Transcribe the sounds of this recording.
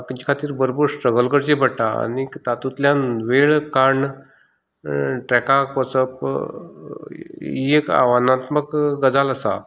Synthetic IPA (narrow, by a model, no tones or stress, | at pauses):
kət͡ɕi̥kʰat̪iːɾbəɾobəɾsʈɾəɡəlɡəɽd͡ʑebʱəɽʈaa̰nit̪at̪ut̪ljanʋeɭkaɳ | ʈɾɛkakʋət͡səp | ieka̰ʋanat̪məkɡəd͡zaləsa